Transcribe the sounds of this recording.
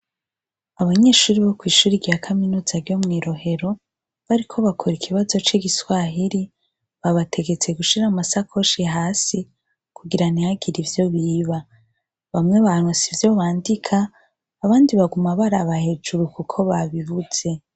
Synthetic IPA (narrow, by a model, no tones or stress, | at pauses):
aβaɲe̞ːʃuːɾiβo̞kwiːʃuːɾiɡɡakʰaminuːzaɾɟomŋiːɾo̞he̞ɾo̞ | βaɾikʰo̞βakʰoɾikʰiβazo̞t͡ʃiːɡiswaɦiɾi | βaβatʰe̞ɡe̞t͡se̞ɡuʃiɾamasakʰo̞ʃiɦaːsi | kuɡiɾanihaɡiɾivjo̞βiːβa | βamŋe̞βaŋosivjoβaːndikʰaː | βaːndiβaɡumaβaɾaβahe̞d͡ʒuɾukukʰo̞βaβiβuz̥e̞